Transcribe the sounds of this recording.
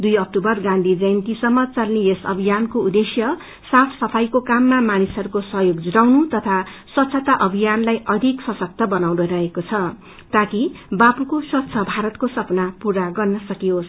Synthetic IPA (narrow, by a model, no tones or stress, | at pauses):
d̪ujʌk̚tubʌrɡãnd̪ʱid͡zʌjnt̪isʌmːʌt͡salniesʌ̰bʱijankoud̪esjʌ | sapʰsʌpʰajkokamːamanisʌɾukosʌɦjoɡd͡zuɾawnut̪ʌt̪ʰaswʌt̪ːsʰʌt̪aʔʌbʱijanlajʔʌd̪ʱiksʌsʌk̚t̪ʌbʌnawnoɾʌɦekot͡sʰʌ | t̪akibapukoswʌt̪ːsʰʌbʱaɾʌt̪kosʌpnapuɾaɡʌrnʌsʌkijos